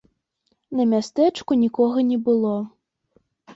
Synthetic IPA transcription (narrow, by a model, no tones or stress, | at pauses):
nɐmʲast̪ɛt͡ʂkunʲikɔɣɐnʲɛbɨlˠɔ